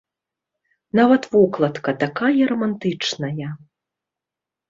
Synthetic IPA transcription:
navɐt̪vuklˠɐt̪kɐt̪akajɐɾɐmant̪ɨt͡ʂnɐjɐ

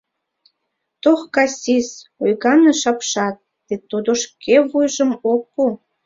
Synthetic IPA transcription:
t̪oxkɑsʲisojɣɑneʃɑpʃɑt̪̚ːet̪ud̪oʃkʰeβujʒə̆mokːu

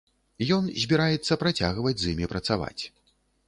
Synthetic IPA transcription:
jɔnzʲbʲiɾajɛt̪sːɐpɾat͡sʲaɣvɐd͡zʲzimʲipɾɐt̪sava̰t͡sʲ

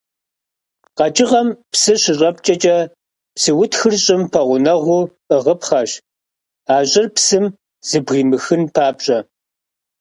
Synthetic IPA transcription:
qɐt͡ʃʼɪʁɐmpsɨɕɪɕʼɐp̚t͡ʃʼɐt͡ʃʼɐ | psɨwʊtxɨrɕʼɪmpʰɐʁʷʊnɐʁʷʊ | əʁəpχɐɕ | aːɕʼɪrpsɨm | z̥ɨbʁiːmɨxɨnpʰaːpɕʼɐ

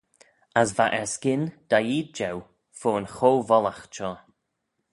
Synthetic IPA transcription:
asvaʔɛɹskɪnd̪̥ajiːd̪̚d͡ʒɛw | foːnxowvɔlaxʃɔː

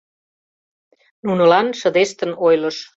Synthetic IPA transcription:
nunəlɑnʃə̆d̪eʃt̪ənojlə̆ʃ

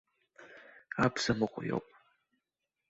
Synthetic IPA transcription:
apʰsɐmɨqʷʼʊjo̰pʼ

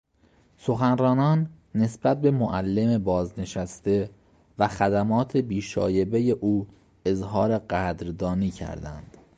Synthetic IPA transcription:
so̞xænrɒːnɒːnː | e̞sb̥æt̪̚be̞moʔælːe̞me̞bɒːzne̞ʃæst̪e̞ | væxæd̪æmɒːt̪ʰe̞biːʃɒ̰ːje̞be̞je̞ʔuː | e̞zɦɒːɾe̞ɢæd̪ɾd̪ɒːniːcʰæ̰ɾd̪æ̰nd̪̥

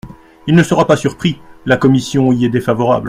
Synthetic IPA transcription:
ilnəsəʁapasyʁpχilakɔmisjɔ̃iɛd̪efavɔʁa̰bl

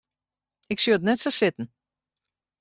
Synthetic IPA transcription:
ɪksyəətnɛtsasɪtn̩

